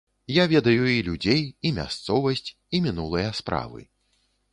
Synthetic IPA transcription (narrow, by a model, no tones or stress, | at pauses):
javʲɛd̪ɐjuilʲud͡zʲejimʲa̰st̪sɔvɐsʲt͡sʲ | imʲinulˠɐjɐspɾa̰vɨ̰